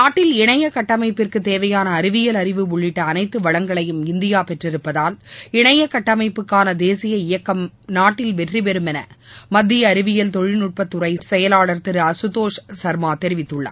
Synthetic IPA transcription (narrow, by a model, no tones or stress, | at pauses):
naːʈːɪlɪɳɐjɐkɐʈːɐmɐɪpːɪrkɯt̪eːʋɐjaːnɐːɾɪʋɪjɐlɐɾɪʋɯʊɭːɪʈːɐːnɐɪt̪ːɯʋɐɭɐŋɡɐɭɐjɯmɪnd̪ɪjaːpɛʈrɪɾɯpːɐðaːlɪɳɐjɐkɐʈːɐmɐɪpːɯkːaːnɐd̪eːsɪjɐɪjɐkːɐm | naːʈːɪlʋɛʈripɛɾɯmɛnɐ̰mɐd̪ːɪjɐːɾɪʋɪjɐlt̪ɔɻɪnʊʈ̚pɐt̪ːʊɾɐɪsɛjɐlaːɭɐɾt̪ɪɾɐsʊt̪oːʂsɐɾmaːt̪ɛɾɪʋɪt̪ːɯɭːɐ̰